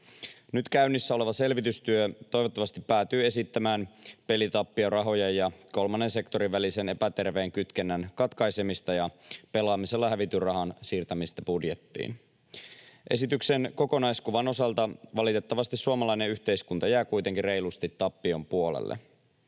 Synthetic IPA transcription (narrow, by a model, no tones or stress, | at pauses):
nyt̪kæyɥnːisːæo̞le̞ʋɑse̞lʋit̪yst̪yøt̪o̞jʋot̪ːɑʋɑst̪ipːæːt̪yːe̞sit̪ːæmæːnpe̞lit̪ɑpːiorɑɦo̞jɑjjɑko̞lmɑnːe̞nse̞kt̪o̞ɾiʋʋælise̞ne̞pæt̪e̞rʋe̞ːŋkyt̪kenːænkɑt̪kɑjse̞mist̪ɑjɑpe̞lɑːmise̞lːɑhæʋit̪yrɑɦɑnsiːrt̪æmist̪æbudje̞t̪ːḭːn | ʔe̞sit̪ykse̞nko̞ko̞nɑjskuʋɑno̞sɑlt̪ɑʋɑlit̪e̞t̪ːɑʋɑst̪issuomɑlɑjneyçt̪e̞iskunt̪ɑjæːkujt̪e̞ŋkire̞jlust̪it̪ːɑpːio̞mpuolḛlːḛ